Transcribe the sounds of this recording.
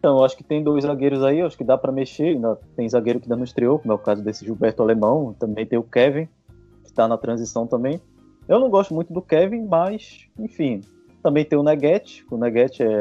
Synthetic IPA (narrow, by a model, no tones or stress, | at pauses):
ẽt̪ɐ̃w̃ewaʃʊ̥kɪ̥t̪ẽj̃d̪ojzzaɡejɾʊzaiewaʃʊ̥kɪd̪apɾɐmeʃeĩd̪ɐt̪ẽj̃zaɡejɾʊkɪ̃d̪ɐnũɪʃt̪ɾiowkõmʊɛʊkazʊd̪esɪʒubɛɾt̪ʊalemɐ̃w̃t̪ɐ̃mbẽj̃t̪ẽj̃ʊkɛvẽ | kɪ̥t̪anɐt̪ɾɐ̃zisɐ̃w̃t̪ɐ̃mbẽj̃ | ewnɐ̃w̃ɡɔʃt̪ʊmũj̃t̪ʊd̪ʊkɛvĩmajs | ẽfĩ | t̪ɐ̃mbẽj̃t̪ẽj̃ʊnɛɡɛt͡ʃɪ̥ʊnɛɡɛt͡ʃɪɛ